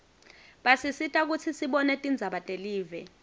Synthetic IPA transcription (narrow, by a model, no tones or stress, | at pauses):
ɓasisitʼak̬ut͡sʰisiɓɔnɛtʼind͡zʱaɓatʼeliːvɛ